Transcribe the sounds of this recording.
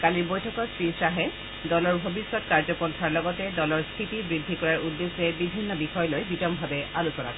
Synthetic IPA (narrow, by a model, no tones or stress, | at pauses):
kaliɹbojtʰɔkɔsɹisaɦɛ | dɔlɔɹbʱobisːɔtkaɹzɔkɔntʰaɹlɔɡɔtɛdɔlɔɹstʰitibɹidʱːikɔɹaɹudːesɛbibʱinːɔbixɔjɔlojbitɔmbʱabɛalusɔna̰k